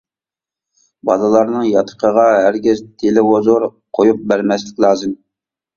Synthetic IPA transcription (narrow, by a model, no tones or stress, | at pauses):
bɑlˠɨlˠɑɾnɨŋjɑt̪ʰə̥qʰəʁɑɦæɾɡʲɪzt̪ʰelɪozoɾqʰojup̚bæɾmɛslɪ̥kʲlˠɑːzɨm